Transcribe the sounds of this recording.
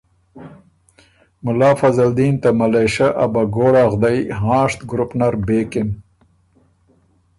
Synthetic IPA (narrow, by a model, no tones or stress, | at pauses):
mʊlɑːfɐzald̪iːnt̪amaleʃaʔabaɡoːɽaːɣd̪ajɦɑ̃ːʂt̪ɡɾupnaɾbeːkɪm